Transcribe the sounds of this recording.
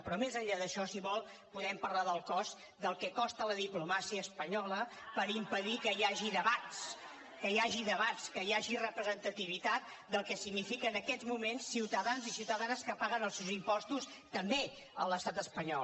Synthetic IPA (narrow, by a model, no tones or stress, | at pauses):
pɾɔmezəʎaðəʃɔsiβɔlˠ | puðɛmpəɾlaðəlˠkɔz | d̪əlˠkɛkɔst̪ələðiplumasiəːspəɲɔlə | pəɾimpəðikəjaʒiðəβat̪s | kəjaʒiðəβat̪skəjaʒirəpɾəzənt̪ət̪iβ̞it̪at̪̚ | d̪əlˠkɛsiɡnifikəːnəkɛzmumensːiwt̪əðanzisiwt̪əðanskəpaɣənəlˠsewzimpɔst̪us | t̪əmbe | ələst̪at̪əspəɲɔ̰l